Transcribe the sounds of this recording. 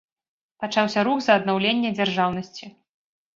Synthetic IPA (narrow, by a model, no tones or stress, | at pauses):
pat͡ʂawsʲɐɾuxzɐːd̪nawlʲenʲːɛd͡zʲarʐawnɐsʲt͡sʲi